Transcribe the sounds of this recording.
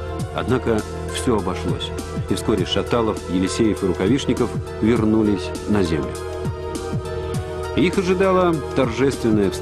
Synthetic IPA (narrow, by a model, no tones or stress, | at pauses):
ɐ̰d̪nakə | fsʲoɐbɐʂlˠo̰sʲ | ɪfskoɾʲɪʂɐt̪alˠəfjɪlʲɪsʲejəfɨɾʊkɐvʲiʂnʲɪkəf | vʲɪrnulʲɪsʲ | nɐzʲemlʲʊ̰ | ixɐʐɨd̪alˠət̪ɐrʐɛst̪vʲɪnːəjəfs